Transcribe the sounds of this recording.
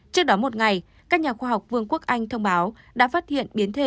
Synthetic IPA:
t͡ɕɨ˦˥ək̚ɗɔ˨˦mo˨˩t̚ŋa˨˩j | kaː˦˥k̚ɲaː˨˩xwaː˧ɦa˨˩wk͡p̚vɨ˧əŋku˦˥ək̚ʔa˧jŋ̟t̪ʰə˧wŋ͡mɓaː˨˦w | ɗa̰ː˧˥faː˦˥t̚hḭ˧˨ənɓi˨˦ənt̪ʰe˨˩

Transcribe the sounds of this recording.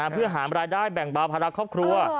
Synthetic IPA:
a˧˦pʰɯ˥˩əɦaː˩˦nɾaː˧jdaː˥˩jbɛ˨˩ŋbaː˧wpʰa˧la˧kʰɔː˥˩p̚kʰɾu˧ə

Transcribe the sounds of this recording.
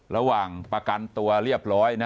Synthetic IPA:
ɾa˧waː˨˩ŋpɾa˧ka˧nt̪u˧ɐɾi˥˩əp̚ɾɔː˦˥jna˦

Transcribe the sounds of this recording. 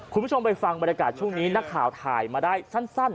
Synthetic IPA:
kkʰu˧nbt͡ɕʰo˧mpa˧jfa˧ŋba˧nja˧kaː˨˩t̪̚t͡ɕʰu˥˩əŋniː˦˥na˦˥kʰːaː˨˩˦wt̪ʰaː˨˩jmaː˧daː˥˩jsa˥˩nsa˥˩n

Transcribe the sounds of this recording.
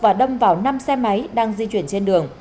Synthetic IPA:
vaː˨˩ɗə˧wŋ͡mvaː˨˩wna˧msɛ˧ma˨˦jɗaː˧ŋzi˧t͡ɕwi˧˩ənt͡ɕe˧nɗɨ˨˩əŋ

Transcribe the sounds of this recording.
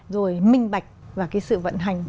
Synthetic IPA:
zo˨˩jmï˧ŋ̟ɓa˨˩jk̟̚vaː˨˩kaː˨˦jsɨ̰˧˨və̰˧˨nɦa˨˩ŋ̟

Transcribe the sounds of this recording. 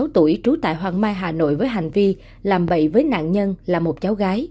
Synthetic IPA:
wt̪u˧˩əjt͡ɕu˨˦t̪a̰ː˧˨jɦwaː˨˩ŋmaː˧jɦaː˨˩no̰˧˨jvəː˨˦jɦa˨˩jŋ̟vi˧ | laː˨˩mɓə̰˧˨jvəː˨˦jna̰ː˧˨nɲə˧nlaː˨˩mo˨˩t̚t͡ɕa˨˦wɣaː˨˦j

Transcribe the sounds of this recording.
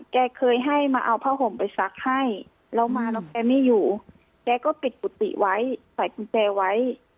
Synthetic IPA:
kɛː˧kʰɤː˧jɦa˥˩jmaː˧ʔa˧wpʰaː˧˥˩ɦo˨˦mpa˨˩jsa˨˧˦k̚ha˥˩j | lɛ˧˥wmaː˧nɔ˧˩kɛː˧miː˧˥˨juː˨˩ | kɛː˧kɔː˥˩pi˨˩t̪̚ku˨˩˦t̪ḭ˧˨˩ʔwa˦˥jsa˨˦jku˧˦t͡ɕɛː˧wa˦˥j

